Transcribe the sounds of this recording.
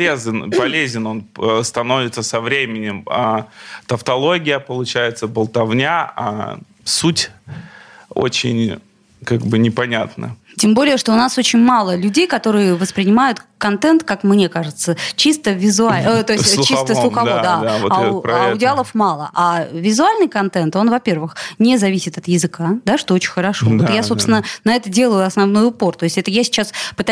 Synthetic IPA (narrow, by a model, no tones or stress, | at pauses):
lʲezʲɪnpɐlʲezʲɪno̞nəst̪ɐno̞vʲɪt̪səsɐvɾʲemʲɪnʲɪmat̪əft̪ɐlˠo̞ɡʲɪjəpəlˠʊt͡ɕæjɪt̪səbəlˠt̪ɐvnʲaa̰ | sutʲ | o̰t͡ɕɪ̰nʲ | kaɡbɨnʲɪpɐnʲat̪nə̰ | tʲembo̞lʲɪjəʂt̪oʊnaso̞t͡ɕɪnʲmalˠəlʲʉdʲejkɐt̪o̞ɾɨjəvəspɾʲɪnʲɪmajʊt̪kɐnt̪ɛnt̪kakmnʲe̞kaʐɨt̪sət͡ɕist̪əvʲɪzʊalʲt̪ojssʲt̪ʲt͡ɕːist̪əslˠʊxɐvod̪a | ʊdʲɪalˠəfmalˠə̰ʔavʲɪzʊalʲnɨjkɐnt̪ɛnt̪o̞nvɐpʲe̞rvɨxnʲɪzɐvʲisʲɪt̪ɐt̪jɪzɨkad̪aʂt̪o̞ot͡ɕɪ̥̃nʲxəɾɐʂo̞ot̪jaso̞pst̪ʲɪnənɐɛt̪ədʲe̞lˠəjʊɐsnɐvno̞jʊpo̞rt̪o̞ɪsʲtʲɛt̪əjasʲɪ̥t͡ɕaspɨt̪a